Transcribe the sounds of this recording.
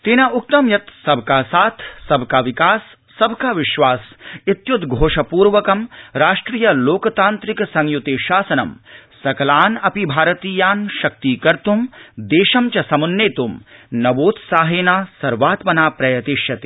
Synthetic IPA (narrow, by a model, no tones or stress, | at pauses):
t̪eːnɐʔuk̚t̪ɐmjɐt̪sɐb̚ʱkaːsaːt̪ʰsɐbʱkaːʋikaːsː | ɐbʱkaːʋɪʃʋaːsit̪jud̪ɡʱoːʂɐpuːɾʋɐkɐmɾaːʂʈɾiːjɐloːkɐt̪aːnt̪ɾiksɐŋjut̪eːʃaːsɐnɐmsɐkɐlaːnɐpibʱaːɾɐt̪iːjaːnʃɐk̚t̪iːkɐɾt̪umd̪eːʃɐmt͡ʃɐsɐmunːeːt̪umnɐʋoːt̪saːɦeːnaːsɐɾʋaːt̪mɐnaːpɾɐjɐt̪iʃjɐt̪i̥ː